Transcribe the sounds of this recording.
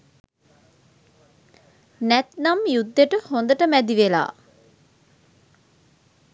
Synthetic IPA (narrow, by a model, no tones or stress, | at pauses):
nɛt̪namjud̪ːeʈəhond̪əʈəmæd̪iʋela̰ː